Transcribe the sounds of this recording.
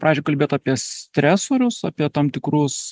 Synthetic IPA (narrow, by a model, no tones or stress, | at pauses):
pɾɑːd͡ʒʲɛkɐlʲbʲeːt̪ɑːpʲiɛsʲt̪ʲɾʲæsoːɾʲʊsɑːpʲiɛt̪ɑmt̪ʲɪkɾʊs